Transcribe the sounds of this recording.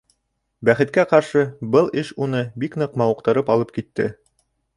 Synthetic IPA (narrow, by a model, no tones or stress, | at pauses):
bæχɘ̆t̪̚kæqɑɾʃɤbɤlˠɘʃunɤbiknɤqmɑŭq̚t̪ɤ̆ɾɤpɑlˠɤp̚kit̪ːɘ̰